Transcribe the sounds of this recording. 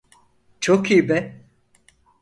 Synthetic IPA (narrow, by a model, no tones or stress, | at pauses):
t͡ʃʰokijbɛ